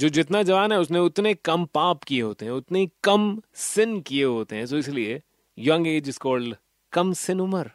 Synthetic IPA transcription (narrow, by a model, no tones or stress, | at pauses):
d͡ʒoːd͡ʒɪt̪nad͡ʒɐʋaːnɦɛʊsneʊt̪nekɐmpaːpkieɦoːt̪eɦɛ̃ʊt̪neikɐmsɪnkieɦoːt̪eɦɛ̃soːɪslie | jɐ̃ŋɡeːd͡ʒɪskɔːɾl | kɐmsɪnʊməɾ